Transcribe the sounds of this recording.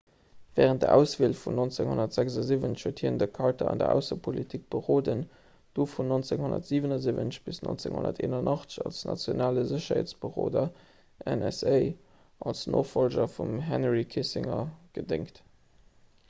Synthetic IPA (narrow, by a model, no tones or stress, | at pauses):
vɛːʁənt̚də̰ʔæʊsveːlfunont͡seŋhonɐtz̥ækzɑzivənʃhuɐthiːəndəkʰɑʁtʰɐ̰ɑ̰ndɐ̰ʔæ̰ʊsəpʰolitʰik̚b̥əʁoːdən | d̥oːfunont͡seŋhondɐ̰tz̥iːvənɑzivənəɕb̥isno̰nt͡seŋho̰nɐ̰tḛːnɑnʔɑχtt͡sə̥ɕɑlsnɑ̰t͡sjonaːləzəɕɐheːt͡sb̥əʁo̰ːdɐ | ʔɛnɛsəɪ | ʔɑlsno̰ːχfolʑɐfumɦɛnʁikʰisɪŋɐɡ̥ədɪŋkt